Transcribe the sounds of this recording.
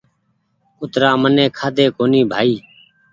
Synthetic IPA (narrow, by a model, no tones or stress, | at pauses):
ʊt̪ɾaːmənẽːkʰaːd̪ʱeːkoːniːbʱaːiː